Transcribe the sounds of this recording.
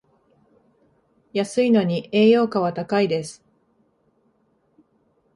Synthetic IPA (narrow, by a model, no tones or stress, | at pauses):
jasɨino̞ɲ̟ie̞ːjo̞ːkaβat̪akaid̪e̞sɨ̥